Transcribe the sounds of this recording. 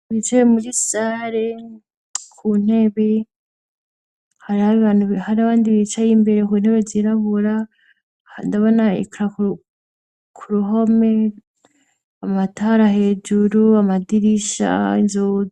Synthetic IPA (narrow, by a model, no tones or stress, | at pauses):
βit͡ʃeβemuɾisaɾe | kʰun̥e̞βe | haɾihaβiβaːnuβhaɾiaβaːndiβit͡ʃajimbe̞ɾekun̥he̞βeziɾaβuɾa | ndaβonaḭkuɾaku | kʰuɾuɦo̞me | amataɾahe̞d͡ʒuɾuamadiɾiʃa̰inzo